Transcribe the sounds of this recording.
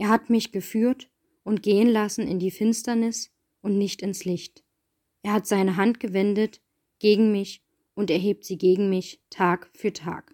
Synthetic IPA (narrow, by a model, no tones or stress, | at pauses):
ʔeːɐɦatmɪçɡ̥əfyːɐt | ʔʊntɡ̥eːənlasn̩ɪ̰ndiːfɪnstɐnɪs | ʔʊntnɪçtɪnslɪçt | ʔeːɐɦatz̥aɪnəɦantɡ̥əvɛndət | ɡ̥eːɡŋ̩mɪç | ʔʊntɛɐɦeːp̚tz̥iːɡeːɡŋ̩mɪçtʰaːkfyːɐtʰa̰ːk